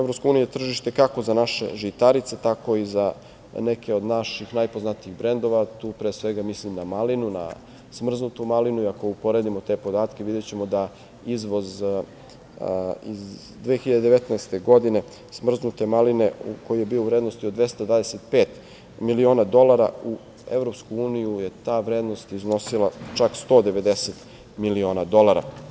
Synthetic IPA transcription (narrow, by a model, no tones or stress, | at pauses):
evɾo̞pskouːnijujet̪r̩ʒiʃt̪e̞kako̞zanaʃe̞̰ʒit̪aɾit̪se̞t̪ako̞iza | ne̞kʰe̞o̞d̪naʃixnajpoznat̪iiɣbɾe̞nd̪o̞ʋat̪uːpɾeːsʋeɡamislimnamalinuna̰ | smr̩znut̪umalinuiako̞upo̞ɾe̞d̪imo̞t̪e̞po̞d̪aːt̪keʋid̪et͡ɕe̞mo̞d̪a | izʋo̞z | iz | d̪ʋexiʎad̪ed̪eʋet̪naest̪e̞ɡo̞d̪ine̞ | smr̩znut̪e̞maline̞ṵko̞jijebiːouvɾeːd̪nost̪iod̪ʋe̞st̪ad̪vʋaːd̪ese̞t̪̚peːt̪ | milio̞ːnad̪o̞lˠaɾa̰u | ḛvɾopskuuːnijuje̞t̪aːʋɾeːd̪no̞st̪izno̞silˠat͡ʂakst̪o̞ːd̪eʋe̞d̪eset̪ | milio̞ːnad̪o̞lˠaɾa̰